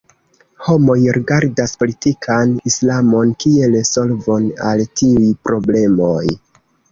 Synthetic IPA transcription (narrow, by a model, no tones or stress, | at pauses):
ho̞mo̞jɾiɡaɾdaspo̞litikʰanislamo̞nkie̞lso̞lvo̞na̰ltʰiujpɾo̞ble̞mo̞j